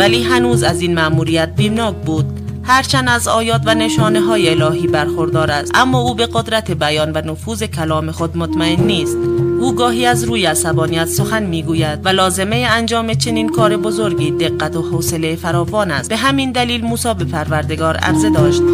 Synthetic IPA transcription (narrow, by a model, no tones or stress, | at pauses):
væliːɦænuːzæziːnmæʔmuːɾijæt̪̚biːbnɒːkbuːd̪ | hæɾt͡ʃʰænd̪æzɒːjɒːt̪væne̞ʃɒːne̞ɦɒːjeːlɒːɦiːbæɾxo̞ɾd̪ɒːɾæsʔæmːɒːuːbe̞ɣo̞d̪ɾæt̪ʰe̞bæjɒːnvænofuːze̞kʰælɒːme̞xo̞d̪mot̪mæe̞nːiːst̪ʔuːɡɒːɦiːæzɾuːjeæsæbɒːnijæt̪so̞xænmiːɡuːjæd̪̥vælɒːze̞me̞jeænd͡ʒɒːmet͡ʃʰe̞niːnkʰɒːɾe̞bo̞zo̞ɾɡiːd̪e̞ɡːæt̪ʰohoːse̞le̞jfæɾɒːvɒːnæsb̥e̞ɦæmiːnd̪æliːlmuːsɒːbe̞pʰæɾvæɾd̪e̞ɡɒːɾæ̰ɾze̞d̪ɒːʃt̪̚